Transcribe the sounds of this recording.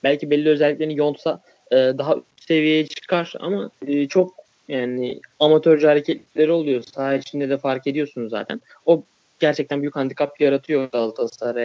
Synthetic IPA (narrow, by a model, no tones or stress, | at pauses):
bælʲcibɛlʲːiø̞zɛlʲːiclʲeinjo̞nˠt̪sa | ɯːd̪aɦa | se̞vijejɛt͡ʃʰɯ̥kʰaɾ̥a̰maɯːt͡ʃʰo̞k̚ | jaːnɪ̰amat̪ʰøɾd͡ʒyhaɾecʰɛt̪lʲiclʲe̞ɾio̞lˠujo̞saːt͡ʃʰind̪ɛd̪ɛfaɾkʰe̞d̪ijo̞sunza̰ːt̪ʰæ̰n | o̞ | ɟ̥æɾt͡ʃʰɛc̚t̪ʰænbuyjykhand̪ikʰap̚jaɾat̪ʰɯjo̞d̪alˠt̪ʰasaɾa